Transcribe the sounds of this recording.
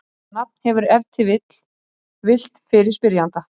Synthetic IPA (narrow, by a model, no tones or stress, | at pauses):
nap̚n̥hɛvʏɾɛvt̪ʰɪvɪt̪l̥ | vɪl̥t̪fɪɾɪɾ̥spɪɾjant̪a